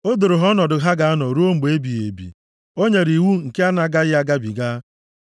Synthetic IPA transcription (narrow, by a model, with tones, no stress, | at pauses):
o˦dʊ˨ɾʊ˨ɦɔ˦nɔ˨dʊ˨ɦa˦ɡa˨a˦nɔ˨ɾu˦o˦ŋ͡m̩˨ɡ͡be˦bi˨ḛ˨bḭ˨ | o˦ɲe˨ɾi˨wu˦ŋ̩˨ke˦a˦na˨ɡa˦ɣɪ˦a˦ɡa˦bi˨ɡa˦